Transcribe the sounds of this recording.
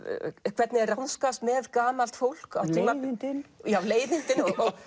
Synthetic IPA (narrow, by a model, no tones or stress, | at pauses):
kʰv̥ɛt̪nɪɛrawnskast̪mɛðkaːmalt̪fowl̥kawt̪imanɪjawleːjðɪnt̪ɪnɔɣɔɣ